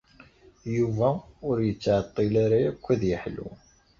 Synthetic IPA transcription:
juvæʊɾjət͡sːʕət̪ˤːɪlaɾaækʷːæðjəħlṵ

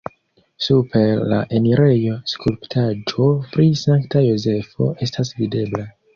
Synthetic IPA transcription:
supe̞ɾla̰ʔe̞niɾe̞jo̞skulptʰad͡ʒo̞pɾisaŋktajoze̞fo̞̰ʔe̞stasvide̞bla

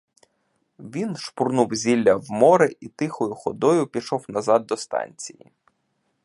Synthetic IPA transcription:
ʋʲinʃpʊrnuwzʲilʲːɐwmɔɾɪʔit̪ɪxɔjʊxɔd̪ɔjʊpʲiʃɔwnɐzɑd̪̚ːɔst̪ɑ̰nʲt͡sʲijḭ

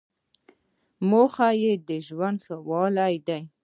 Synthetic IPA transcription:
moxajed̪əʒwand̪xəwɑlajd̪aj

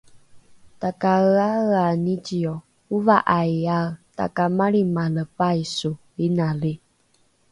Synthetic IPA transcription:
t̪akaəaanid͡ʒiɔ | uvaʔajat̪a̰kamaɾimaləpaisu | inali

